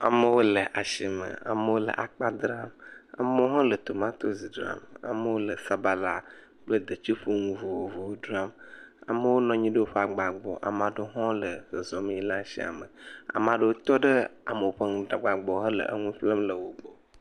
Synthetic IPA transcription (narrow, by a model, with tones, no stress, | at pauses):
a̰˨mə˦wo˦lə˨ʔa˨ʃi˦mə̰˨a̰˨mə˦wo˦lə̰˨ʔa˨k͡pa˦d̪ɾa˦ma̰˨mə˦o˦ɦɔ̃˦lə˨t̪o˨mã˦t̪o˦zi˨dɾa̰˦ma̰˨mə˦wo˦lə˨sa˦ba˦la˦ | k͡plə˦d̪ə˨t͡ʃi˦ɸo˦ŋũ˦vu˨wo˨vu˨wo˦du˦a˦ma̰˨mə˦wo˦nɔ̃˨ɲĩ˦ɖə˦wo˦ɸa˨ɡ͡ba˨ɡ͡bɔ̰˨ʔa̰˨mã˨ɖo˦ɦɔ̃˦lə˨zə˨zɔ˨mĩ˦i˦la˦ʃḭ˦a̰˨mə˨a̰˨mã˨ɖə˦wo˦t̪ɔ˦ɖə˦a̰˨mə˨o˨ɸə˦ŋũ˦da˨ɡ͡ba˨ɡ͡bɔ˨ɦə˦lə̰˨ʔə̰˦ŋũ˦ɸlə˦mlə˨wo˨ɡ͡bo˨